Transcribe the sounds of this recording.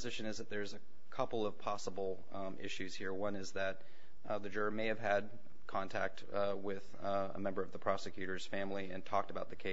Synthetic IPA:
ɨzɪʃɨ̃nɨzðɨt̪̚ðə˞zɨ | kʰʌpl̩ˠʌv̥pʰɑsəbl̩ˠ | ɪ̰ʃʉz̥hiɹwʌ̃nɨzðɨt̪̚ | ðɨd͡ʒʊɹmeɪɨv̥ɨd̚ | kʰɑ̃ntʰæ̰k̚t̚ | wɪð | ə̰mɛ̃mbə˞ʌvðəpʰɹ̥ɑsɨkʰj̥ʉɾə˞z̥fæ̃mliɨ̃ntʰɔk̚təbaʊt̪̚ðɨkʰeɪ

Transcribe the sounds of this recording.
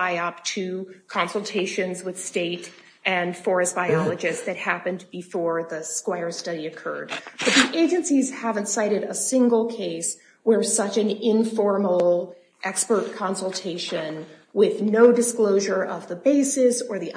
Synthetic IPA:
aɪʌp̚tʰɨkʰɑ̃nsl̩ˠtʰeɪʃɨ̃nzwɨð̥steɪɾ | ʔɨ̃nfɔɹɨsb̥aɪɑlˠɨd͡ʒɨstðɨt̚hæpɨ̃nbɨfɔɹðɨskwaɪə˞stʌɾiɨkʰɜ̰˞d̚b̥ʌt̪̚ðiʔeɪd͡ʒɨ̃nsiz̥hævɨ̃ntsaɪɾɨɾəsɪ̃ŋɡl̩ˠkʰeɪs | wə˞sʌt͡ʃɨ̃nɪ̃ɱfɔɹml̩ˠ | ʔɛkspə˞t̚kʰɑ̃nsl̩ˠtʰeɪʃɨ̃nwɪðnoʊdɨskloʊʒə˞ʔʌvðəbeɪsɪsə˞ði

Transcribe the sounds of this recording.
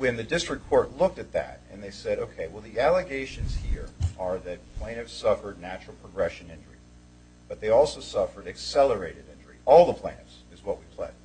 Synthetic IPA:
wɨ̃nðɨdɪstɹ̥ɨkʰɔɹtˡlʊk̚tɨt̪̚ðɨ̰ɾɨ̰̃nðeɪsɛɾoʊkʰeɪwɛlˠðiælˠəɡeɪʃɨ̃nz̥hiɹʔə˞ðɨt̚pʰl̥ẽɪ̃ñɨfsʌfə˞dⁿnæt͡ʃɹ̥l̩ˠpʰɹ̥əɡɹɛʃɨ̃nɪ̃nd͡ʒə̰˞ḭ | b̥ʌt̪̚ðeɪɔlˠsoʊsʌfə˞ɾɨksɛlˠə˞eɪɾɨɾɪ̃nd͡ʒə˞ḭʔɔlˠðəpʰl̥ẽɪ̃nɨfsɨzwʌt̚wipʰl̥ḛɪd

